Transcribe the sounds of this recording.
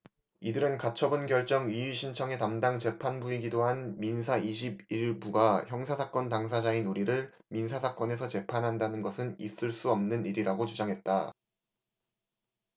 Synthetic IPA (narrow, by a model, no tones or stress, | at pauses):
idɯɾɯnkat͡ɕʰʌbɯnɡjʌɭt͡ɕ͈ʌŋɥiɥiɕʰint͡ɕʰʌŋe̞tamdaŋt͡ɕe̞pʰanbuiɡidoɦanminsʰaiɕ̬ʰibiɭbuɡaçjʌŋsʰasʰak͈ʌntaŋs̬ʰad͡ʑainuɾiɾɯɭminsʰasʰak͈ʌne̞s̬ʰʌt͡ɕe̞pʰanɦandanɯnɡʌsʰɯnis͈ɯɭs͈uʌmnɯniɾiɾaɡot͡ɕud͡ʑaŋɦe̞t̚t͈a